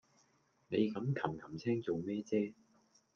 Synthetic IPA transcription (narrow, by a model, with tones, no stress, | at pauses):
ne˨˧jkɐ˨˥mkʰɐ˨˩mkʰɐ˨˩mt͡sʰɛː˥ŋt͡so˨wmɛː˥t͡sɛː˥